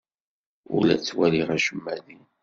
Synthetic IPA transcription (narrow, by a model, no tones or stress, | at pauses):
ʊ̰læ̰t͡sːwæliʁæʃəmːæðin